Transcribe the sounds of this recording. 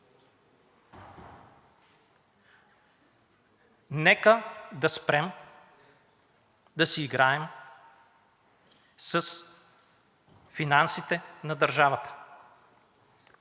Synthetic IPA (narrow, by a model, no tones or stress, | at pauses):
nɛkəd̪ɐspɾɛm | d̪ɐsiːɡɾaɛm | səs | finansit̪ɛnɐd̪əɾʒavət̪ə̥